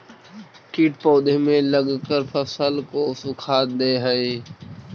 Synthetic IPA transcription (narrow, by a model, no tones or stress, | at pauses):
kiːʈ̚poːɗ̪ʱeːmẽːləɡkəɾpʰəsəlkoːsʊkʰaːd̪eːɦəeː